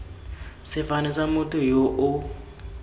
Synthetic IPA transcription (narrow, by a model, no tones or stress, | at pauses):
sɪfanɛsamʊtʰʼʊjoʔʊ